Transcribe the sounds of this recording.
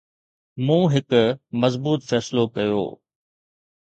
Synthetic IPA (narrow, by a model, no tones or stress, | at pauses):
mũːɦɪkʊmɐzbuːt̪fɛːsɪlokɐjo̰ː